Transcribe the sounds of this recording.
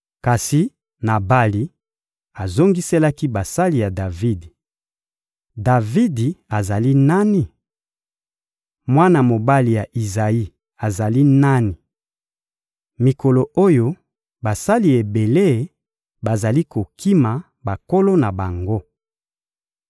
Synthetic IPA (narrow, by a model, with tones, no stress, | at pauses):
ka˨si˨ | na˨ba˦li˦ | a˨zo˦ŋɡi˦se˦la˦ki˦ba˨sa˦li˨ja˨da˨vi˦d | da˨vi˦di˨a˨za˨li˦na˦ni˨ | mwa˦na˨mo˨ba˦li˨ja˨ʔi˨za˨i˦ | a˨za˨li˦na˦ni˨ | mi˨ko˨lo˨ʔo˦jo˦ | ba˨sa˦li˨e˨be˨le˦˨ | ba˨za˨li˦ko˨kʰi˦ma˨ | ba˨ko˦lo˦na˨ba˨ŋɡo˦